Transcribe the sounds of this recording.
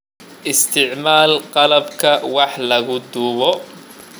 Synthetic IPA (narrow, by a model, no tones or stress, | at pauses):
ʔɪst̪ʰɪʕmaːlqɑlɐbkʰɐwɑħlɐɣʊd̪uːβɔ